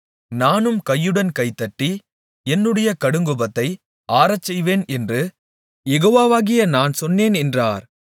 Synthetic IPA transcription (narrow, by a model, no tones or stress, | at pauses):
naːnɯmkɐjːɯɽɐnkɐɪt̪ːɐʈːi | ɛnːɯɽɐjɐkɐɽɯŋɡɯbɐt̪ːɐɪ | ʔaːɾɐt͡ʃːɛjʋeːnɛndrɯ | jɛɣoːʋaːʋaːɣɪjɐnaːnsɔnːeːnɛndraːɾ